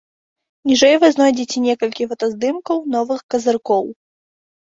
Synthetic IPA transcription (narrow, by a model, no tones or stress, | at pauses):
nʲiʐɛjvɨznɔjd͡zʲet͡sʲɛnʲɛkɐlʲkʲivɐt̪ɐzd̪ɨmkɐwnɔvɨxkɐzɨrkɔw